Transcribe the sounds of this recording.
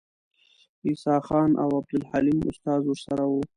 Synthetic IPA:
isɑxɑːnʔa̰wab̚d̪ʊlhalimʊ̰st̪ɑːzwʊɾsaɾawu

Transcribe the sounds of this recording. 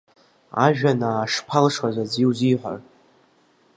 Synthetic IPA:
a̰ʒᶣanaːʂpʰalʂwazad͡ziwziːħʷa̰r

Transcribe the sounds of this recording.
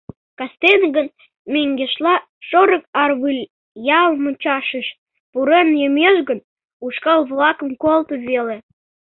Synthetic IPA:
kɑst̪enɡən | meŋɡeʃlɑ | ʃoɾəkɑrβɨlʲ | jɑlmət͡ɕɑʃəʃ | puɾenjəmeʃɡən | uʃkɑlβlɑkə̆mkolt̪əβele

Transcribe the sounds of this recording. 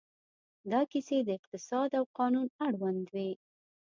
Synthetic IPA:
d̪ɑkised̪əɪqt̪ɪsɑd̪awqɑnunaɽwand̪we

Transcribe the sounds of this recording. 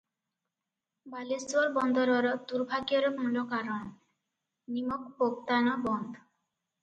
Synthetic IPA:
baleswɔɾbɔnd̪ɔɾɔɾɔd̪uɾbʱaɡijɔɾɔpuɳlɔkaɾɔn | nimɔk̚pok̚t̪anɔbɔnd̪ʱɔ

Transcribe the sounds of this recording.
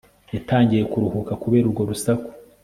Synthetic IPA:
jataːɲɟijekuɾuhukakuβe̞ːɾuɾɡo̞ɾusako̥

